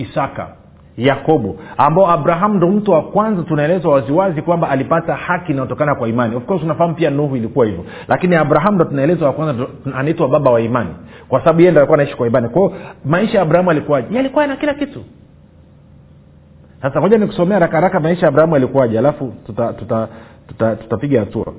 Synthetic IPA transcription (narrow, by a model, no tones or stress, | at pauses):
isaka̰ | jakɔɓuambaɔabɾaɦamundɔm̩tuwakwanzatunaɛlɛzwawaziwazikwambaːlipatahakinajɔtɔkanakwaimaniufkɔztunafaham̩upianuhuilikuwahivɔ | lʔakiniabɾaɦamundɔtunaɛlɛzawakwanzaanaitwaɓaɓawaimanikwasaɓaɓujɛjɛndɔalikuwanaiʃi̥kwaimanikwaɔmaiʃajaɓɾahamalikuwaʄajɛalikwajɛnakilakitu | sasaɔʄaniku̥sɔmɛaaɾakahaɾakamaiʃajabɾahamualikuwaʄɛalafututatutatutatu̥tapiɠahatua̰